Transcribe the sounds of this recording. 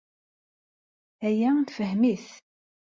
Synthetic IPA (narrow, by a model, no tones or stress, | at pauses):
æjæt̪fəhmiθ